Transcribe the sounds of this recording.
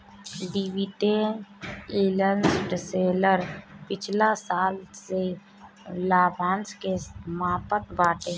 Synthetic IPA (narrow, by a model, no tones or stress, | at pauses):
ɖiwiʈe | iːlənsʈseːləɾpɪt͡ʃʰlasaːlse | laːbʱãːnskesmaːpət̪̚baːʈẽː